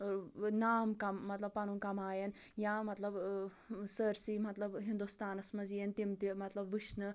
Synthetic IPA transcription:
naːmkɐmːɐt̪lɐbpɐnunkɐmaːjɐn | jãːmɐt̪lɐb | səɾsimɐt̪lɐbɦind̪ust̪aːnɐsmɐzijent̪imt̪imɐt̪lɐbʋiʃnɨ

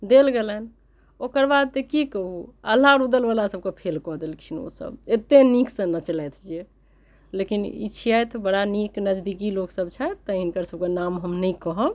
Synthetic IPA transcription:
d̪elɡelən | okəɾbad̪̚t̪əkikəɦuə̰lːaɾud̪əlbalasəb̚kepʰelkɔɦd̪elkt͡ʃʰino̰sə̰bet̪enikʰsə̃nət͡ʃəlɛt̪ʰd͡ʒe | lekinḭt͡ʃʰijat̪ʰbəɽaniknəd͡ʒd̪ikiloksəb̚t͡ʃʰɛt̪əinkəɾsəb̚kenamɦəmnəikɔɦəb

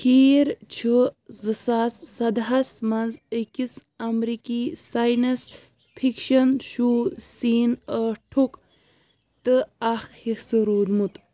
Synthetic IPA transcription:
kiːɾt͡ʃʰɨzɨsasːɐd̪ɦɐsmɐnzəkis | ɐmɾikisajnɐs | pʰikʃɐnʃuːsiːnəʈʰuk | t̪ɨaxhisɨɾuːd̪mut̪

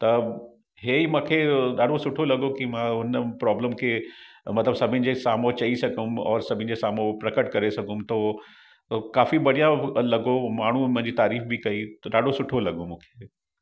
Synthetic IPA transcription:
t̪ɐ | ɦeːimãːkʰeɗaːɖʱosʊʈʰolɐɡokimãʊnpɾɔːbləmkʰeːmɐt̪ləbsɐbʱɪ̃nɪ̆d͡ʑesaːmot͡ɕɐisɐɡʱʊmɔːɾsɐbʱɪ̃nɪ̆d͡ʑesaːmopɾɐkəʈkɐɾesɐɡʱʊ̃mt̪oː | kaːfibɐɽ̤ijãlɐɡomaːɳ̤umʊ̃ɪ̃ɲd͡ʑiːt̪aːɾiːfbikɐiɗaːɖʱosʊʈʰolɐɡõmũːkʰe̥ː

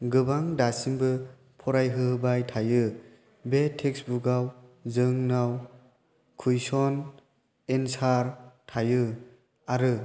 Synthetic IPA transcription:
ɡɯbaŋdasimbɯ | pʰɔɾajɦɯɦɯbajtʰajɯ | betʰeksbuɡawzɯŋnaw | kʰujsɔn | ensaɾtʰajɯ | aɾɯ

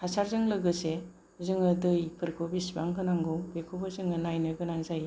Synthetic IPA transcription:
hasaɾzɯŋlɯɡɯse | zɯŋɯdɯjpʰɯɾkʰobisba̰ŋkʰɯnaŋɡɔbekʰubɯzɯŋɯnajnɯɡɯnaŋzaje

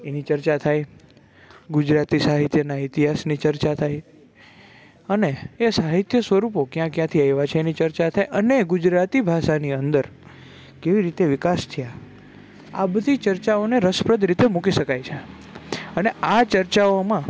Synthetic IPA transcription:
enit͡ʃəɾt͡ʃat̪ʰaj | ɡud͡ʒɾat̪isaɦit̪jənait̪iɦasnit͡ʃəɾt͡ʃat̪ʰaj | əneːsaɦit̪jəsʋəɾupokjãkjãt̪ʰiajʋat͡ʃʰeːnit͡ʃəɾt͡ʃat̪ʰajʔəneɡud͡ʒɾat̪ibʱaʃaniənd̪əɾ | keʋiɾit̪eʋɪkast̪ʰəja | abəd̪ʱit͡ʃəɾt͡ʃaoneɾəspɾəd̪ʱɾit̪emukiʃəkajt͡ʃʰe | əneat͡ʃəɾt͡ʃaomã

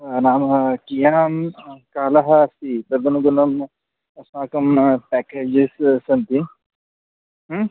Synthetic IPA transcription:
naːmɐkijaːmkaːlɐɦɐsipɐɾd̪ɐnuɡunɐm | ɐsmaːkɐmpɛːkeːd͡ʒessɐnt̪i | ɦ

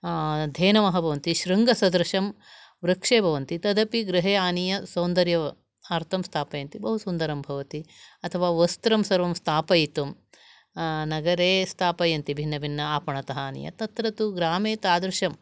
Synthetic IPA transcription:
d̪ʱeːnɐmɐɦɐbʱɐʋɐnt̪iʃɾiŋɡɐsɐd̪ɾɐʃɐm | ʋɾɐkʂeːbʱɐʋɐnt̪it̪ɐd̪ɐpiɡɾɐɦeːaːnijɐsɐːnd̪ɐɾjɐ | aːɾt̪ʰɐmst̪ʰaːpɐjɐnt̪ibɐɦusund̪ɐɾɐmbʱɐʋɐt̪iɐt̪ʰɐʋaːʋɐst̪ɾɐmsɐɾʋɐmst̪ʰaːpɐjit̪um | nɐɡɐɾeːst̪ʰaːpɐjɐnt̪ibʱinːɐbʱinːɐaːpɐɳɐt̪ɐɦɐaːnḭjɐ̰t̪ɐt̪ɾɐt̪uɡɾaːmeːt̪aːd̪ɾuʃɐm

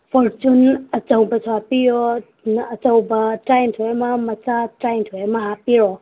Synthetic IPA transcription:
pʰɔɾt͡ʃunɐt͡ʃawbɐsapijɔ | nɐt͡ʃawbɐtɾajntʰɔjamamɐt͡ʃatɾajntʰɔjamɐɦapiɾɔ

